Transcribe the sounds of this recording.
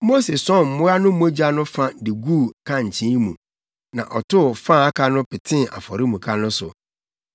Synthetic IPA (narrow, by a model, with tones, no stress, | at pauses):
mo˦se˨sɔ̃˦˨m̩˨mʊ̃˦a˦nʊ̃˦mo˦d͡ʑa˦nʊ̃˦fã˦dɪ˨ɡu˦˨kʰã˦ɲ̩˨t͡ɕʰĩ˦mũ˨ | nã̰˨ʔɔ˨tʰʊ˦˨fã˦˨a˦kʰa˦nʊ̃˦pɪ˨tʰɪ̃˦˨a̰˨fɔ˨ɾɪ˦mũ˨kʰa˦nʊ̃˦sʊ˨